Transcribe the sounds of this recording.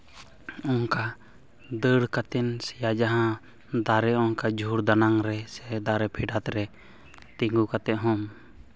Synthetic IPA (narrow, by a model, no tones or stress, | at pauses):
ɔŋka | d̪əɽkat̪ɛnsɛjad͡ʒaɦã | d̪aɾɛɔŋkad͡ʒʱuɾd̪anaŋɾɛsɛd̪aɾɛpʰiɖat̪ɾɛ | t̪iŋɡukat̪ɛʔ̚ɦɔm